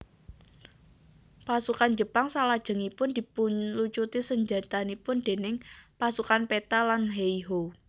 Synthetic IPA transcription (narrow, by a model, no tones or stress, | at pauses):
pasukand͡ʒə̤paŋsalad̥ʒ̥ə̤ŋipʊnd̪̥i̤puɲlut͡ʃut̪isəɲd͡ʒat̪anipʊnd̪̥e̤nɪŋpasukanpet̪alanɦeiɦo